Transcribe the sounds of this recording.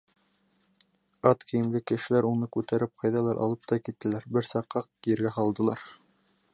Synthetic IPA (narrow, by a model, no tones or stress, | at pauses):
ɑt̪kĭjɘ̆mlɘkɘ̆ʃɘ̆læɾunɤkʉt̪æɾɘp̚qʰɑjðɑlˠɑɾʔɑ̰lˠɤp̚t̪ɑkit̪ːɘ̆læɾbɘɾsɑqːɑq̚kijɘ̆ɾɡæɦɑlˠd̪ɤ̆lˠɑɾ